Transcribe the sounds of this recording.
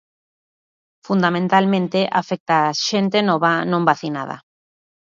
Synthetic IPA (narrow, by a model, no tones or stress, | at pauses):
fund̪amẽnt̪almẽnt̪eʔafek̚t̪aːʃent̪enɔβ̞anõmbaθina̰ð̞a̰